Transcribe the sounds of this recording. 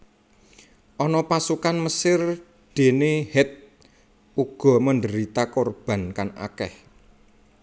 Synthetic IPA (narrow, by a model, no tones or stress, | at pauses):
ʔɔnɔpasukanməsɪr | d̪̥e̤nehɛt̪̚ | uɡ̥ɔ̤məndəɾit̪akorb̥a̤nkana̰kɛ̰h